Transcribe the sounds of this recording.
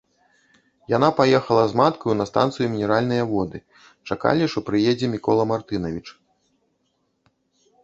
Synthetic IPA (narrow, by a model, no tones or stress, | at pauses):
jan̪apajɛxɐlˠɐzmat̪kɐjunɐst̪ant̪sɨjumʲinʲɛɾalʲn̪ɐjɐvɔd̪ɨ | t͡ʂaka̰lʲiʂt̪ɔpɾɨjɛd͡zʲɛmʲikɔlˠɐmart̪ɨnɐvʲit͡ʂ